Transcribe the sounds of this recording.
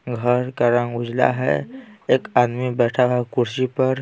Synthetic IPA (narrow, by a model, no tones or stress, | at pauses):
ɡʱəɾkaɾə̃ŋɡʊd͡ʒla̰ɦɛ̰eːkaːd̪mibɛːʈʰaɦɛkʊɾʃipəɾ